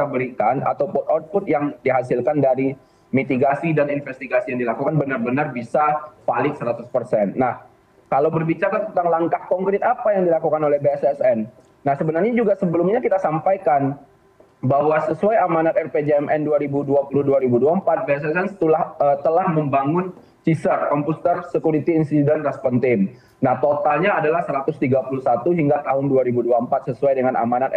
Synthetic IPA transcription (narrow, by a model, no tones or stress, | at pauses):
kit̪abəɾikana̰t̪awpɔt̪ɔt̪̚pʊt̪̚jaŋdiɦasɪlkandaɾi | mit̪iɡasidaninfɛst̪iɡasijaŋdilakukanbənarbənarbisapalɪksəɾat̪ʊspərsɛnːah | kalawbərbit͡ʃaɾat̪ənt̪aŋlaŋkahkɔŋkɾɪt̪apajaŋdilakukanolɛhbeɛsɛsɛnː | ahsəbənarɲad͡ʒuɡasəbəlumɲakit̪asampajkan | baɦwasəsuajamanat̪̚ɛrped͡ʒeɛmʔɛnduaɾibuduapuluhduaɾibuduampat̪̚beɛsɛsɛnt̪ulahət̪əlahməmbaŋʊn | t͡ʃisərkɔmpust̪ərsəkuɾit̪iːnsidɛnrɛspɔnt̪ɪm | naht̪ot̪alɲaːdalahsəɾat̪ʊst̪iɡapulusat̪uɦiŋɡat̪aɦʊnduaɾibuduampat̪̚səsuajdəŋanʔa̰manat̪ɛ